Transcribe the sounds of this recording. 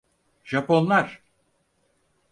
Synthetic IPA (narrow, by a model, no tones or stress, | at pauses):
ʒ̥apo̞nlˠaɾ̥